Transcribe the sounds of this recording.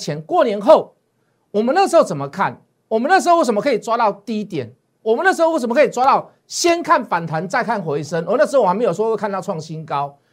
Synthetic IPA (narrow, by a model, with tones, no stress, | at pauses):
t͡ɕʰjɛ˧˦nkwɔ˥˩njɛ˧˥nxo˥˩ʊ | wɔ˨˩mə̃˦n˥˩əʂ̬̩˧˥xo˥˩ʊt͡sə˨˩nmə˨˦kʰa˥˩n | wɔ˨˩mə˦n˥˩ʂ̬̩˧˥˧wsə˨m˧kʰə˧˥i˨t͡swa˦t̪ɑ˥˧ʊt̪i˥˧i˦˥t̪jɛ̰˨˩˦n | wɔ˨˩mə˦nə˥˩ʂ̬̩˧˥o˥˧wsə˨mə˧kʰə˧˨i˨˩t͡swa˦˥t̪ɑ˥˩ʊ | ɕjɛ˦nkʰa˥˩nfa˨˩nt̪ʰwa˨˦nt͡sa˥˧ɪkʰa˥˩nxwe˧˥ɪsə˦ŋ˧˦n˥˩ʂ̬̩˧˥o˥˩˨m˧˦jo˨˩swwkʰa˥˧t̪ʊʈ͡ʂʰwɑ˥˩ŋɕi˦nkɑ˦ʊ